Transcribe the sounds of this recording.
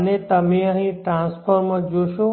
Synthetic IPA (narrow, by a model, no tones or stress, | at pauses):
net̪əmẽəɦĩʈɾãspʰəɾmə̃d͡ʒoʃõ